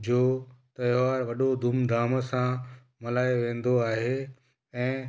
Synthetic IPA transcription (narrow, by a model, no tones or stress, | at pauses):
d͡ʑoːt̪ɐɪʋaːɾʋɐɗod̪ʱumd̪ʱaːməsã | mɐlaːeʋẽːn̆d̪oaːɦe | ɛ̃ː